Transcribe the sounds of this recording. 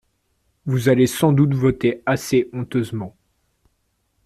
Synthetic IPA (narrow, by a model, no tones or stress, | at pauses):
vuzalesɑ̃d̪ut̪vɔt̪easeʔɔ̃t̪øzmɑ̃